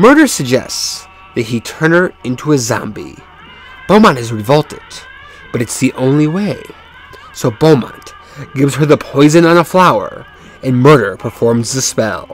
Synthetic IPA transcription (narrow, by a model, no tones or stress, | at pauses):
mɜ˞ɾə˞sɨɡ̚d͡ʒɛ̰sts | ðɨt̚hitʰɜ̃˞nə˞ɪ̃ntʰuɨzɑ̰̃mbḭ | b̥õʊ̃mɑ̃ñɨzɹɨvʌlˠtɨd̥̚ | b̥ʌɾɨtsðiʔõʊ̃nliweɪ | soʊbõʊmɑ̰̃n | ɡ̥ɪvz̥ə˞ðəpʰɔɪzɨ̃nə̃nəflaʊə̰˞ | ɨ̃nmɜ˞ɾə˞pʰə˞fɔɹmzðɨspɛ̰lˠ